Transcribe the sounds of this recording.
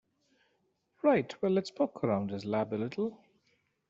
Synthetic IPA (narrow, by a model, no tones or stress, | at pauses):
ɹaɪtʰwɛlːɛtsbʰʊkʰəɹãʊ̃ndɨzlæbəlɪtʰl̩ˠ